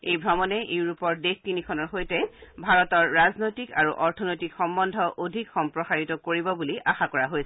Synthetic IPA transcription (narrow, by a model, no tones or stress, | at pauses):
ejbʱɹɔmɔnɛjuɹupɔɹdexkinikʰɔnɔɹxojtɛbʱaɹɔtɔɹːaznojtikaɹuʔɔɹtʰɔnojtikxɔmbɔndʱɔʔodʱikxɔmpɹɔxaɹitɔkoɹibɔbuliʔaxakɔɹaɦojsɛ